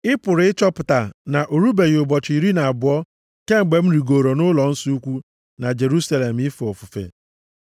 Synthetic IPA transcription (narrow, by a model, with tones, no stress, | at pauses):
ɪ˦pʊ˨ɾɪ˨ɪ˦t͡ʃɔ˦pʊ˨ta˨na˨ʔo˨ɾu˦be˨jʊ˨bɔ˨t͡ʃi˨ɾi˦na˨a˨bʊ˨ɔ˦ | ke˦ŋ͡m̩˨ɡ͡be˨m̩˦ɾi˨ɡo˨ɾo˨nʊ˦lɔ˨n̩˦su˦u˦kʷu˦ | na˨d͡ʒe˨ɾu˦sa˨le˨m̩˨ɪ˦fɔ˨fʊ˨fḛ˨